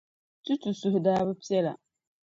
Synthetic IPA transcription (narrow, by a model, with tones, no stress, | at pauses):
tu˦tu˨su˨ɦʊ˨daː˦βɨ˦pi˦ɛ˦la̰˨